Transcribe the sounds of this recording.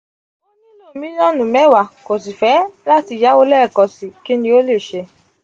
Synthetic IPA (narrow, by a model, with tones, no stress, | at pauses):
lɔ̃˦˨mĩ˦lɔ̃˦˨nũ˨mɛ˦˨wa˨ko˨si˨fɛ˨˦la˦˨ti˧˨ja˨˦o˧lɛ˦˨kɔ˧si˨ki˦nĩ˧˦o˦le˦˨ʃe˧